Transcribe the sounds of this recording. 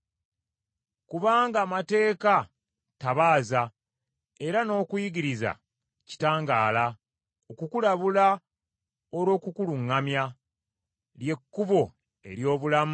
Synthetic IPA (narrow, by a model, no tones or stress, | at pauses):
kuβaːŋɡaːmate̞ːka | taβaːza | e̞ɾano̞ːkujiɡiɾiza̰ | ci̥taːŋɡaːla | okukulaβula | oɾo̞ːkukuluŋːamja | lje̞kːuβo̞ | e̞̰ɾjo̞ːβulam